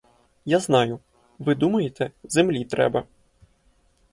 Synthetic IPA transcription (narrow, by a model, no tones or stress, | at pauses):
jaznɑjʊ | ʋɪd̪umɐjet̪ɛzemlʲit̪ɾɛ̰bɐ